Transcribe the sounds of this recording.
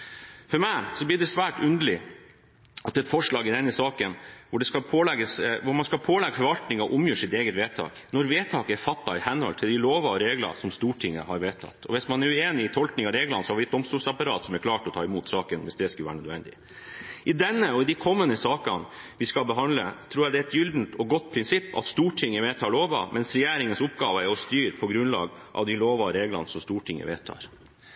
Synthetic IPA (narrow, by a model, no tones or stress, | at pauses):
fɔɾmæɪsɔbliːɖɛsʋæːʈʉnd̪əlɪ | ɑt̪̚ɛt̪fɔʂɭɑːɡɪd̪ɛnːəsɑːkənʋʊɖɛskɑpʰoːlɛɡəsʋʊɾmɑnskɑlpʰoːlɛɡːəfɔɾʋɑlt̪nɪŋɑʔʊmjøːʂɪt̪eːɡət̪ʋeːt̪ʰɑ̰ːknɔɾʋeːt̪ʰɑːkɛɾfɑt̪ːɑɪhɛnɔ̰lt̪ʰɪld̪ɪloːʋɑɔɾeːɡlɑ̰sɔmst̪uːʈʰɪŋːə̰hɑɾʋeːt̪ʰɑ̰t̪ʰːɔ̰ʋɪsmɑnɛɾʉeːnɪːt̪ʰɔlknɪŋɑɾeːɡlɑnəsɔhɑɾʋɪɛt̪̚d̪ɔmst̪uːlsɑpɑɾɑ̰ːt̪sɔmɛɾkʰlɑːʈɔt̪ʰɑːɪmuːt̪sɑːkənʋɪsd̪ɛskʉlʋæːɾɳœd̪ʋɛnd̪ɪ | ʔɪd̪ɛnːəɔɪd̪ikʰɔmːənəsɑːkɑ̰n | ʋɪskɑbəɦɑnd̪lət̪ʰɾuːɾjæd̪ɛɛt̪jʏld̪n̩t̪ɔɡɔt̪ːpʰɾɪnsɪpːɑ̰t̪st̪uːʈʰɪŋːəʋeːt̪ʰɑːɭoːʋɑ̰mʔɛnsɾɛjæːɾɪŋənsʊpɡɑːʋəæɾɔst̪yːɾpʰɔɡɾʉnlɑ̰ːɡʔɑ̰ʋd̪ɪloːʋɑɾeːɡlɑ̰nsɔmst̪uːʈʰɪŋːə̰ʋḛːt̪ʰɑ̰ːɾ